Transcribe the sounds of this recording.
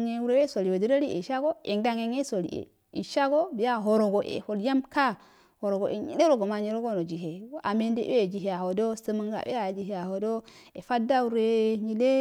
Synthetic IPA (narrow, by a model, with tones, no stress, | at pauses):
ŋe˨wu˦ɾe˦we˦so˨li˨wo˨di˦ɾa˦ɾi˦ḛ˨ʃa˦ɡo˦e˨ŋda˦ŋe˨ŋe˦so˨lḭ˨ḛ˨ | ḭ˨ʃa˦ɡo˦bi˨ja˦ɦo˨ɾo˨ɡo˨ʔḛ˨ho˨lja˦mka˦ | ho˨ɾo˨ɡo˨ʔḛ˨ɲḭ˨le˦ɾo˦ɡo˨ma˨ɲe˨ɾo˦ɡo˦no˨d͡ʒi˨ɦe˨˦a˨me˦ndḛ˨˦e˦e˨d͡ʒi˨ɦe˨a˨ho˨do˦sə˦mə˦ŋɡa̰˨ʔḛ˦a˨d͡ʒi˨ɦe˨a˨ho˨do˦e˨fa˦da˦u˦ɾe˦˨ɲi˨le˦